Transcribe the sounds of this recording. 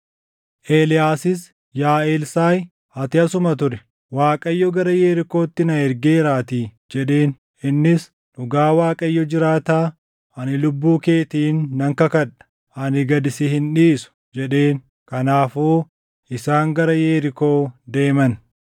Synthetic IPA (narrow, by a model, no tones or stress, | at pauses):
ʔeːlɪjaːsɪs | jaːeːlsaːj | hɐt̪ɪɐsʊmɐt̪ʊɾɛ | waːkʼɐjːɔɡɐɾɐjeːɾɪko̞ːt̪ːɪnɐɛɾɡeːɾaːt̪i | d͡ʒɛᶑe̞ːn | ʔɪnːɪs | ᶑʊɡaːwaːkʼɐjːɔd͡ʒɪɾaːt̪aː | ʔɐnɪlʊbːuːke̞ːt̪iːnːɐŋkɐkɐᶑɐ̥ | ɐnɪɡɐd̪ɪsɪhɪnᶑiːsʊ̥ | d͡ʒɛᶑe̞ːn | kɐnaːfoː | ʔɪsaːŋɡɐɾɐjeːɾɪko̞ːd̪e̞ːmɐn